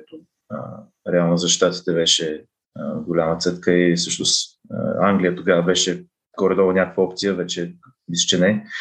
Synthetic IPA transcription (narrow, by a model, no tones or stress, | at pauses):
ɛt̪o | ə | ɾɛalˠnozɐʃt̪at̪i̥t̪ɛvɛʃɛ | ɡolʲamət̪sɛt̪kəisɤʃnʊs | aŋɡlʲijət̪oɡavəbɛʃɛ | ɡ̥ɔɾɛd̪ɔlˠɐnʲakəkvəɔpt̪sijəvɛt͡ʃɛ | mist͡ʃɛnɛ